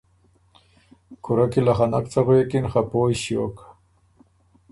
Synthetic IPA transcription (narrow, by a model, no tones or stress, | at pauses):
kʰʊɾakilaxanakt͡saxojekinxapoːjɕjo̰kḁ